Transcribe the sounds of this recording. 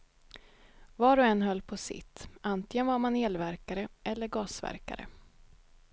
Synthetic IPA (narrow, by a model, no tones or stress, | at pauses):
vɑːɾɔɛnːɦœlːpʰɔsɪ̰t̪ːant̪lɪŋənvaɾmanheːlvæɾkaɾəɛlːəɾɡɑːsvæ̰ɾka̰ɾə̰